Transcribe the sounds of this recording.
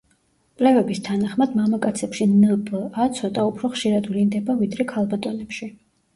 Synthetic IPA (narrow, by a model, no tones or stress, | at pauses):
pʼlɛvɛbist̪ʰanaχmad̪mamakʼat̪sʰɛpʃinəpʼat̪sʰɔt̪ʼaupʰɾɔχʃiɾad̪vlind̪ɛbavid̪ɾɛkʰalˠbat̪ʼɔnɛpʃi